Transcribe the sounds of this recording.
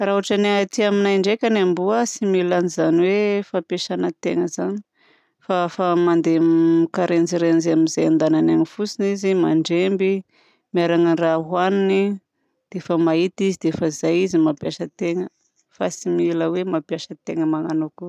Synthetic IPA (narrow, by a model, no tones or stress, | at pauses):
rauaʈ͡ʂanat̪iaminajɳɖ͡ʐekʲanambuasimilanizaniwefapeʃanət̪eŋəzani̥ | fafamand̪eikaɾend͡ziɾenizeamizajand̪anananifusinizimaɳɖ͡ʐembi | miaɾaŋanraɦwanini | d̪̥efəmait̪izid̪efəizajizimapjaʃət̪eŋə | fasimiləwemapjaʃət̪eŋəmaŋanoku